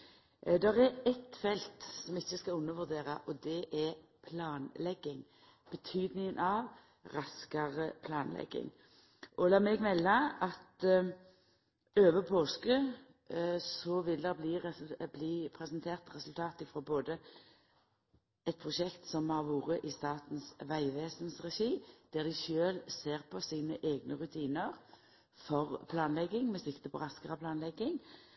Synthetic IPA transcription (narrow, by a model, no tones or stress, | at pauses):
d̪ɛʁɛɛt̪fɛlt̪sɔmɪçːəskɑlʉnːəʋʉʁd̪eːʁɑʔɔd̪ɛʔɛpʰlɑːnlɛɡːɪŋ | b̥ət̪ʰyːd̪nɪŋənʔɑʋ | ɾɑskɑʁəpʰlɑːnlɛ̰ɡːɪ̰ŋ | ʔɔlɑːmɛɡmɛlːɑɑt̪ | øːʋəpʰoːskə | sɔʋɪld̪ɛbliːʁɛbliːpʰɾɛsənt̪ʰeːʁt̪ʁɛsʉlt̪ʰɑːt̪ɪfɾɔboːd̪ə | ɛt̪̚pʰʁʊʃɛkt̪sɔmhɑːʁʋuːʁəʔɪst̪ɑːt̪n̩sʋæɪʋeːsənsʁɛʃiːd̪̥æʁd̪ɪʃøːlseːʁpʰɔsiːnəʔeːɡnəʁʉt̪ʰiːnəʁ | fɔʁpʰlɑːnlɛɡːɪŋmɛsɪkt̪əpʰɔʁɑskəʁəpʰlɑːnlɛɡːɪŋ